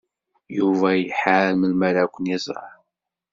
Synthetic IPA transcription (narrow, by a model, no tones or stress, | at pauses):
juvæjəħaɾməlmæɾækʷənjɪzɾˤɑ̰ħ